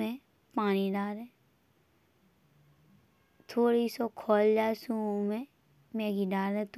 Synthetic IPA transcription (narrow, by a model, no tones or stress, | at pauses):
ẽ | paːñiɖaːɾɛ̃ː | t̪ʰoːɽisɔkʰɔːld͡ʒaːesũõmẽ | mɛːɡiɖaːɾɛ̃t̪